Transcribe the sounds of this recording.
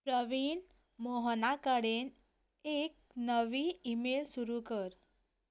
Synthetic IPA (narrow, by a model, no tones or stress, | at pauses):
pɾəʋiːn | moɦənakaɽen | ek̚ | nəʋiːimelsuɾukəɾ